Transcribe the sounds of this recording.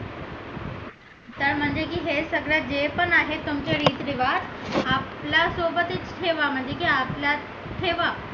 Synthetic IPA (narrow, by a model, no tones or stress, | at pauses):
t̪əɾm̤əɳd͡zekiːɦesəɡɭead͡ʑepənaɦet̪umt͡ɕeɾiːt̪ɾiʋaɾaplasobət̪it͡sʈʰeʋam̤əɳd͡zekiaplja | ʈʰeʋa